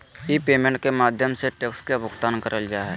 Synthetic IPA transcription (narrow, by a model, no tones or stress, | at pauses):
jipeːmẽɳʈ̚kemaːd̪ʱjəmseʈeːkskebʱʊkt̪aːnkəɾəld͡ʒaːɦɛ